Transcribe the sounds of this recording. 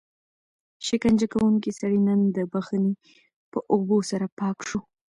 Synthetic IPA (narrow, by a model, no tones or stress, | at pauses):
ʃɪkand͡ʒakawuŋkisaɽinənd̪əbaxəni | pəʔobosaɾapɑkʂu